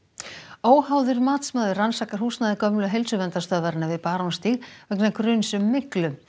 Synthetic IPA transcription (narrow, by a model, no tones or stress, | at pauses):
oːwhawðʏɾmaːt̪smaːðʏrːansaːkaɾ̥huːsnaðɪkœmlʏɦejlsʏvɛnt̪ast̪œːvaɾɪnːavɪðpaːɾonst̪iːlvœknakɾʏːnsʏmːɪklʏ